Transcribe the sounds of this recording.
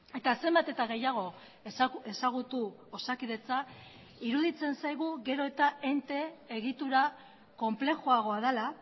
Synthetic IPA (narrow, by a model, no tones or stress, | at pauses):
e̞t̪ase̞mbat̪e̞t̪aɣe̞jaɣ̞o̞ | e̞saɣ̞ut̪uosakiðe̞t͡sa | iɾuðit͡se̞nsajɣ̞uɣe̞ɾo̞e̞t̪ae̞nt̪e̞ːɣit̪uɾa | ko̞mple̞xoaɣ̞o̞að̞ela